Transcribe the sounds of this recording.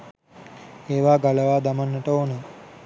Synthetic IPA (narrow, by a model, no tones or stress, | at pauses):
eːʋaːɡɐləʋaːd̪amanːəʈəonə